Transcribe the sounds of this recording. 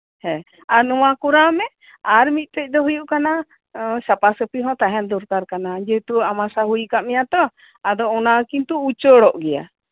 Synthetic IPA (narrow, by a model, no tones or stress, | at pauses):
hɛ̃ | aɾnɔwakuɾamɛ | aɾmit̪̚ˀt̪ɛc̚ˀd̪ɔɦujuʔkana | sapasəpiɦɔ̃t̪aɦɛnd̪uɾkaɾkanad͡ʒɛt̪uamasaɦujkaʔmɛjat̪ɔ | ad̪ɔɔnakint̪uut͡ʃɔɽɔʔɡɛja̰